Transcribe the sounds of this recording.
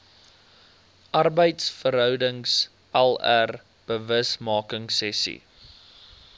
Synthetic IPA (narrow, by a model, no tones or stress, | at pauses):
ʔɐrbəjtsfəɾɦœwdəŋs | ʔɛlær | b̥əvəsmɑːkəŋsɛsḭ